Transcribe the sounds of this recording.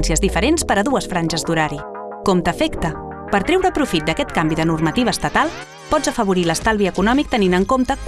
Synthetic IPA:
nsiəzðifəɾenspəɾəðuəsfɾanʲʒəzd̪uɾaɾi | komt̪əfɛkt̪ə | pəɾt̪ɾɛwɾəːpɾufit̪̚d̪əkɛt̪kambiðənurmət̪iβ̞əːst̪ət̪alˠ | pɔzəfəβuɾiləst̪alˠβiəkunɔmik̚t̪əninəŋkomt̪ək

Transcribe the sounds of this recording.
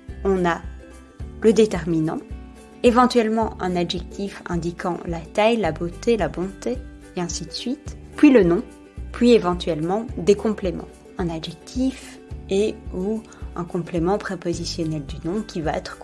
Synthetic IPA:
ɔ̃na | ləd̪et̪ɛʁminɑ̃ | evɑ̃t̪ɥɛlmɑ̃ʔɛ̃naʒɛk̚t̪ʰifɛ̰̃d̪ikʰɑ̰̃lat̪ajlabot̪elabɔ̃t̪eː | ɛ̃sid̪əsɥit̪pɥilənɔ̃ | pɥievɑ̃t̪ɥɛlmɑ̃d̪ekɔ̃plemɑ̰̃ | ɛ̃naʒɛk̚t̪ʰif | eu | ɛ̃kɔ̃plemɑ̃pχepozisjɔnɛld̪ynɔ̃kʲivaɛ̰t̪χ

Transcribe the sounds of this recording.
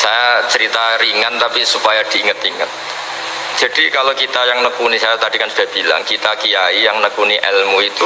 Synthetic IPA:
sajat͡ʃəɾit̪aɾiŋant̪apisupajad̥iːŋət̪iŋət̪̚ | d͡ʒ̥a̤d̥ikalokit̪ajaŋnəkunisajat̪ad̥ikansu̥d̥ahb̥i̤la̰ŋkit̪akijaijaŋnəkuniʔɛlmuit̪u

